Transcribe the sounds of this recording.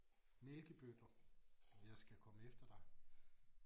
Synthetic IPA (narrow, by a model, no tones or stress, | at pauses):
melɡ̥əb̥ød̥ɐ | jɑ̈ɪsɡ̥ækʰɒ̽məefd̥ɐd̥ɑ̈ɪ